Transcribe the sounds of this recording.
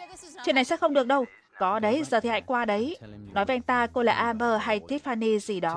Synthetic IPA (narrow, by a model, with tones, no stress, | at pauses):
t͡ɕwḭ˨na˨˩sɛ̰˧˥xə˧wŋ͡mɗɨ˨˩ək̚ɗə˧w | kɔ˨˦ɗə˨˦jzəː˨˩i˨˩ha̰ː˧˨jkwaː˧ɗə˨˦jnɔ˨˦jvəː˨˦ʔa˧ŋ̟t̪aː˧ko˧la̰ː˨˩ʔaː˧ɓəː˧ɦa˧jt̪i˦˥t̚faː˧ni˧zi˨˩ɗɔ˨˦